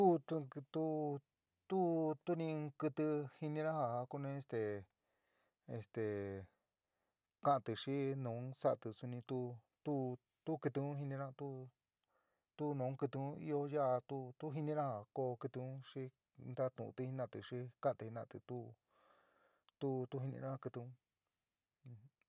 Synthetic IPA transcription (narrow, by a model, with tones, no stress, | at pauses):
t̪u˦t̪u˧t̪u˦ | t̪u˦t̪u˦nĩ˧kɨ˧t̪ɨ˧hi˧nĩ˧ɾã˦ha˧˨˧ku˦nẽ˧e˧st̪e˨ | ḛ˧st̪e˨ | kã˦ʔa˧t̪ɨ˧ʂi˦nõ˨˦sa˦˧t̪ɨ˧su˧nĩ˧t̪u˦ | t̪u˦ | t̪u˦kɨ˧t̪ɨ˧ũ˦ɦi˧nĩ˧ɾã˦˧t̪u˦ | t̪u˦nõ˨˦kɨ˧t̪ɨ˧ũ˦ḭ˦˧o˧ja˦ʔa˧t̪u˦t̪u˦ɦi˧nĩ˧ɾã˦ha˨ko˧kɨ˧t̪ɨ˧ũ˦ʂi˦ | nd̪a˦t̪ũ˨ṵ̃˧t̪i˧˦hi˧nã˦˧t̪ɨ˧ʂi˦kã˦ʔa˧t̪ɨ˧hi˧nã˧˨t̪ɨ˧t̪u˦ | t̪u˦t̪u˦ɦi˧nḭ̃˧ã˦ha˧kɨ˧t̪ɨ˧ũ˦